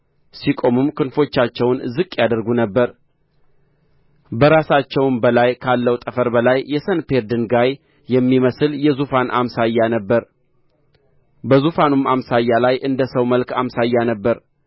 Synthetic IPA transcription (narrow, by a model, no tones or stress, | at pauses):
sikʼo̞mɨmkʰɨnfo̞t͡ʃːat͡ʃːɛwnzɨkʼːjad̪əɾɡunəbːəɾ | bəɾasat͡ʃːɛwnbəlajkʰalːəwt̪ʼəfəɾbəlajːɛsənpe̞ɾd̪ɨnɡaj | jɛmːiməsɨljɛzufanʔa̰msajːanəbːəɾ | bəzufanumamsajːalajʔɨnd̪əsəwməlkʰamsajːanəbːəɾ